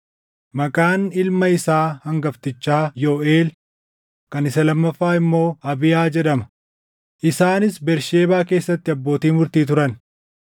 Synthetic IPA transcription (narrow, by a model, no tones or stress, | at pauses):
mɐkʼaːnɪlmɐɪsaːhɐŋɡɐft̪ɪt͡ʃːaːjoːeːl | kɐnɪsɐlɐmːɐfːaːɪmːo̞ːɐbɪjaːd͡ʒɛᶑɐmɐ̥ | ʔɪsaːnɪsbɛɾʃe̞ːbaːke̞ːsːɐt̪ːɪɐbːo̞ːt̪iːmʊɾt̪iːt̪ʊɾɐn